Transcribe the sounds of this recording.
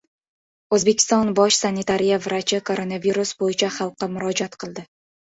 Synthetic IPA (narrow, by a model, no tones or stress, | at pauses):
ɵzbe̞kʲʰɪ̥st̪ɒnbɒʃsanːɪt̪ʰaɾijavɪɾat͡ʃʰɪkʰo̞ɾonaviɾusbojɪt͡ʃʰaχɑlˠqːɑmʊɾɒd͡ʒat̪qʰɨlˠd̪ɪ